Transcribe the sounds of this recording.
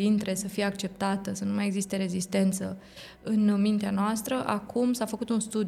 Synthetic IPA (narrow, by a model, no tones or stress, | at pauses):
int̪ɾe̞səfijeak̚t͡ʃe̞p̚t̪at̪əsənumaje̞ɡzist̪e̞ɾe̞zist̪e̞nt̪sə | ɨnmint̪eanoast̪ɾəʔakumsafəkut̪unst̪ud̪